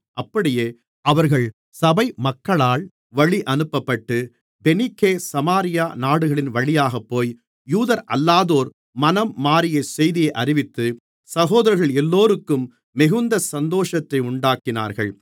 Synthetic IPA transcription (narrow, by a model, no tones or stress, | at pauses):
ʔɐpːɐɽɪjeː | ɐʋɐɾɣɐɭ | sɐbɐɪmɐkːɐɭaːɭ | ʋɐɭiʔɐnɯpːɐpːɐʈːɯ | bɛnɪkːeːsɐmaːɾɪjaːnaːɽɯɣɐɭɪnʋɐɭɪjaːɣɐpːoːj | juːðɐɾʔɐ̰lːaːðoːɾ | mɐnɐmːaːɾɪjɐsɛjðɪjɐɪʔɐrɪʋɪt̪ːɯ | sɐɣoːðɐɾɐɾɣɐɭɛlːoːɾɯkːɯmː | ɪɣɯnd̪ɐsɐnd̪oːʂɐt̪ːɐɪʊɳɖaːkɪna̰ːɾɣɐ̰ɭ